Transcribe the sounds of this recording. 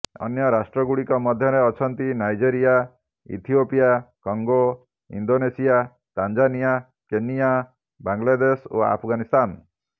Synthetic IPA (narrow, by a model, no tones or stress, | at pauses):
ɔ̰njɔɾasʈɾɔɡuɽikɔmɔd̪ʱjɔɾeɔt͡ʃʰɔnt̪inajd͡ʒeɾija | ḭt̪ʰijopijakɔŋɡo | ḭnd̪onesija | t̪and͡ʒanija | kenija | baŋlad̪eso̰a̰pʰɔɡanist̪an